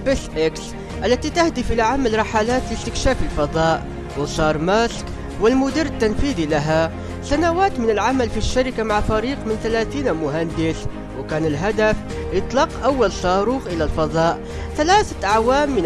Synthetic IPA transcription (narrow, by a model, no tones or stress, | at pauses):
bɪsʔɪks | ʔælːæt̪it̪ahd̪əfʔəlaʕamælɾˤɑħalaːt̪ləst̪ɪkʃaːfəlfɑd̪ˤɑːʔ | wəsˤɑːɾˤmæsk | wəlmʊd̪iːɾət̪ːanfiːd̪ilaɦa | sanawaːt̪mɪnəlʕamælfiʃːaɾɪkamaʕfæɾiːqmɪnθælæːθiːnmʊɦand̪ɪs | wkæːnəlɦæd̪af | jət̪ˤlɑːqʔawːalsˤɑːɾuːxʔəlælfɑðˤɑːʔ | θalæːθʔaʕwaːmːən